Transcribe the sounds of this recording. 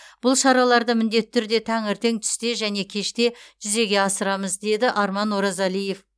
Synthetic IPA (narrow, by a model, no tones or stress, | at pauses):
b̥ʊlˠʃɑɾɑlˠɑɾd̪əmɪnd̪e̞t̪ːɪt̪ːʰʏɾd̪e̞t̪ʰæŋɪɾt̪e̞ŋt̪ʰʏ̥st̪e̞ʒæne̞kʲʰe̞ʃt̪e̞ʒ̥ʏze̞ɡʲe̞ɑsəɾɑməzd̪e̞d̪ɪʔɑɾmɑnwoɾɑzɑlije̞f